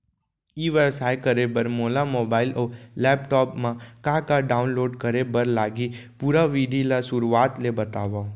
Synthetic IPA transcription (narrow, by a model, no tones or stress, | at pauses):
iʋəsajkəɾebəɾmolamobailʔolɛpʈɔpmãkãkaɖaunloɖkəɾebəɾlaɡipuɾaʋid̪ʱilasuɾuat̪lebət̪aʋa